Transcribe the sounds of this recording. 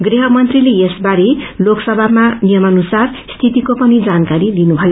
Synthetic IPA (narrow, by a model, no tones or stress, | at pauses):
ɡriɦʌmʌnt̪rilejesbaɾiloksʌbʱamanijʌmʌnusar | st̪ʰit̪ikopʌnid͡zankaɾilinubʱʌjo